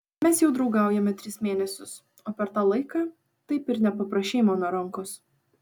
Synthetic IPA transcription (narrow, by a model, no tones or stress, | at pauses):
mʲɛsjɛʊd̪ɾɒʊɡɑˑʊjɛmʲɛt̪ʲɾʲɪsmʲeːnʲɛsʲʊs | oːpʲɛɾt̪ɑːlˠɐɪkɑː | t̪ɐɪpɪɾnʲɛpɐpɾɐʃʲeːmɐnoɾɐŋkʊs